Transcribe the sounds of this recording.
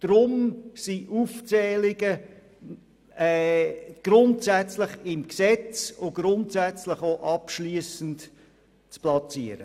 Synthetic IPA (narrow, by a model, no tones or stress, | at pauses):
d̥ɾʊmsiʔuft͡sɛːlɪɡə | ɛɡ̥ɾʊntsæt͡slɪχɪmksɛt͡sʊɡ̥ɾʊntsæt͡slɪχoʔɑpʃliːəsən̩t | t͡splɑt͡siːəɾə